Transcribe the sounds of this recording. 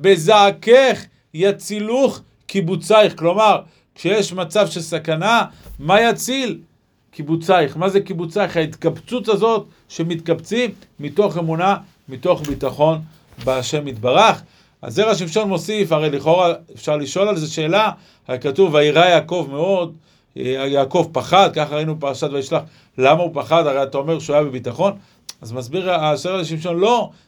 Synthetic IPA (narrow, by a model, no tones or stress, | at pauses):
be̞zaːkeχ | jat͡siluχ | kibut͡saiχklo̞maʁ | kʃejeʃmat͡savʃe̞lsakanamajat͡sil | kibut͡sajχmazekibut͡sajχhait̪kabt͡sutazo̞t̪ | ʃe̞mit̪kabt͡simː | ito̞χe̞muna | mit̪o̞χbit̪aχo̞n | beaʃe̞mit̪baʁaχ | a̰zeʁaʃ̬imʃo̞nmo̞sifaʁejliχo̞ʁaefʃaʁliʃo̞lalzeʃe̞ːla | katuvaiʁajaːko̞vme̞o̞d | ajaːko̞vpaχad̪̚kaχaʁainubepaʁaʃat̪vaiʃlaχ | lamaupaχad̪aʁejat̪ao̞me̞ʁʃeajabe̞bitaχo̞n | azmazbiʁazeʁaʃimʃo̞nlo̞